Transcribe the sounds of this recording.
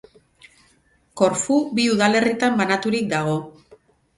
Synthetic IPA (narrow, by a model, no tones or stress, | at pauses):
ko̞ɾfubiuðale̞rit̪ambanat̪uɾik̚d̪aɣ̞o̞